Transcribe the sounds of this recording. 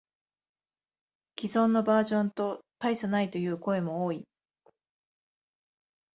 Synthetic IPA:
kʲizõ̞nːo̞baːʑõ̞nt̪o̞t̪aisanait̪o̞jɯ̟ːko̞e̞mo̞oːi

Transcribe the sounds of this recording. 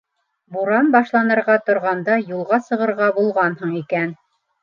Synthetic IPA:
buɾɑnbɑʃlˠɑnɤ̆ɾʁɑt̪ŏɾʁɑnd̪ɑjulˠʁɑsɤ̆ʁɤ̆ɾʁɑbulˠʁɑnhɤɴikæn

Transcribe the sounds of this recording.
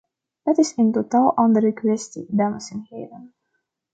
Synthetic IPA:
d̥ɑtɪsəntotaːlˠʔɑndəɾəkʋɛstḭdɑnəsɛnheːvən

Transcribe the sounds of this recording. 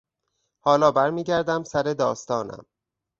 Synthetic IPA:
hɒːlɒːbæɾmiːɟæɾd̪æmsæɾed̪ɒːst̪ɒːnæ̰m

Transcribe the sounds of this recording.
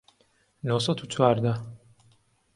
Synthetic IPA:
nosɐd̪ut͡ʃʰwaːɾd̪a

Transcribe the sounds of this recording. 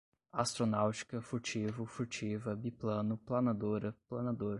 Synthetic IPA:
ast̪ɾonawt͡ʃi̥kɐfuɾt͡ʃivʊfuɾt͡ʃivɐbiplɐ̃nʊplɐnad̪oɾɐplɐnad̪oɾɐ

